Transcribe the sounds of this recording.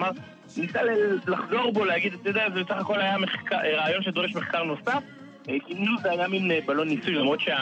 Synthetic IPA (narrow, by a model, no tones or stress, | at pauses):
maʁ | nisallaχzo̞ʁbo̞leaɡid̪at̪ojud̪eazebesaχako̞lajameχkaʁaːjo̞nʃed̪o̞ʁeʃme̞χkaʁno̞saf | imnuveajamimebalo̞nːisujlamʁo̞t̪ʃea